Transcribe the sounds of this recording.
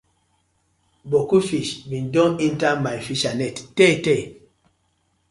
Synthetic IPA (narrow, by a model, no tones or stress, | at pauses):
bokufiʃbindɔ̃nintamafiʃanɛtːɛtɛ